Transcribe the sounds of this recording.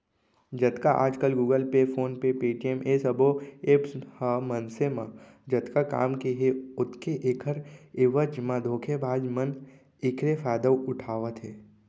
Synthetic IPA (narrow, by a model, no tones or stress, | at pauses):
d͡ʒɐt̪kaʔa̰ːd͡ʒkəlɡuːɡəlpefʰoːnpepiːʈiemʔesɐboeːpshəmənsemã | d͡ʒɐt̪kaka̰ːmkeɦeʊt̪keʔeːkʰəɾeʋəd͡ʒmãd̪ʱoːkʰebaːd͡ʒmən | ɪkʰɾefaːd̪əwʊʈʰaːʋət̪ɦeː